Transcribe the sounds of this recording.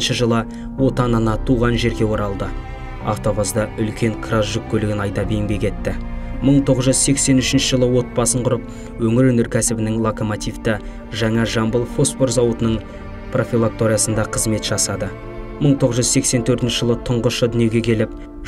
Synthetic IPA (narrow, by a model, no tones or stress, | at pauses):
nʃəʒəlˠə | wo̞t̪ɑnɑnɑt̪ʰuʁɑnʒe̞ɾɡʲe̞wo̞ɾɑlˠd̪ə | a̰ft̪o̞busd̪ɑʏlkʲe̞ŋkʰrɑsʒʏk̚ʲkʰʲːɵlɪɡʲɪnɑjt̪ɑbejɪŋbʲe̞kʲʰe̞t̪ːɪməɴt̪ʰo̞ʁəzʒʏzse̞kse̞nʏʃɪnʃəʒəlˠəwo̞t̪̚pɑsəɴqʰʊɾəp̚ | wɵŋɪɾwɵneɾkʲʰæsɪbɪnɪŋlˠokomot̪ijft̪ə | ʒæŋɑʒɑmbəlˠfo̞sfo̞ɾzɑwət̪ənəɴ | pʰro̞fʲilˠak̚t̪o̞ɾʲijasənd̪ɑqʰəzme̞t̪ʒ̥ɑsɑd̪ə | məɴt̪ʰo̞ʁəzʒʏzse̞kse̞nt̪ʰɵɾt̪ɪnʃəʒəlˠət̪ʰʊɴʁəʃəd̪ʏnje̞ɡʲe̞kʲʰe̞lɪp̚